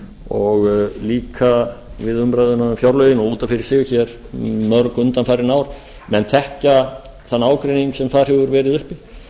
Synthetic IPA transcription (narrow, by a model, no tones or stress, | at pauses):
ɔɣliːkʰavɪðʏmpɾajðʏnafjawɾlœːjðɪnɔɣuːt̪anfɪɾɪɾ̥sɪːɣçɛɾ | mœɾkʏnt̪anfajɾɪnaːwɾ̥ | mɛnθɛhca | θanːaːwkɾejniŋksɛmθaðɾ̥ɛvʏɾvɛːɾɪðʏhpɪ